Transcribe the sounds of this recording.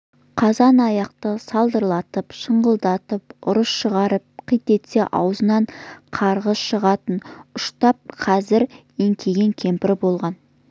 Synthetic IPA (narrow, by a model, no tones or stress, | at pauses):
qʰɑzɑnɑjɑqt̪əsɑlˠd̪əɾlˠɑt̪əpʃəɴʁəlˠd̪ɑt̪əpʊɾəsʃəʁɑɾəp̚qʰijt̪e̞t̪se̞ʔɑ̰wzənɑɴqʰɑɾʁəsʃəʁɑt̪ənʊʃt̪ɑp̚qʰɑzɪɾ | eŋkʲʰe̞ɡʲe̞ŋkʲʰe̞mpɪɾɪbo̞lˠʁɑn